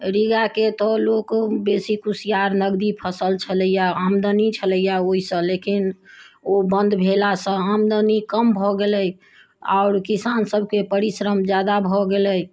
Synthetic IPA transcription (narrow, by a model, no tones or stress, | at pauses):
ɾiɡaket̪ɔlokbesikusijaɾnəɡd̪ipʰəsəlt͡ʃʰələjaamd̪ənit͡ʃʰələijaoisə̃lekinobənd̪ʱbʱelasə̃amd̪ənikəmbʱɔɡeləj | a̰ʊɾkisansəb̚ʱkepəɾisɾəmd͡ʒjad̪abʱɔɡeləj